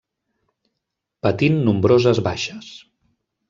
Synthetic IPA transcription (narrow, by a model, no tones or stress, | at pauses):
pət̪inːumbɾozəzβaʃəs